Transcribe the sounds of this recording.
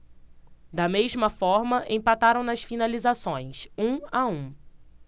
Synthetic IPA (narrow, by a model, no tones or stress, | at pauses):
d̪ɐmeʒmɐfɔɾmɐʔẽpat̪aɾɐ̃w̃nɐsfinalizasõj̃sũaũ